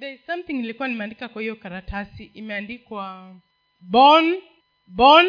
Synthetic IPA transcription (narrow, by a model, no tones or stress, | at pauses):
ðɛzsamθiŋilikuwanimɛandikakwahijɔkaɾatʰasiʔimɛandikwa | bɔn | bɔn